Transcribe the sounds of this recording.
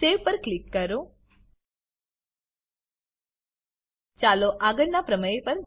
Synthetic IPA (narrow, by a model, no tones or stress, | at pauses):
eʋpəɾklikːəɾõ | t͡ʃaloʔaɡəɾnapɾəməepəɾ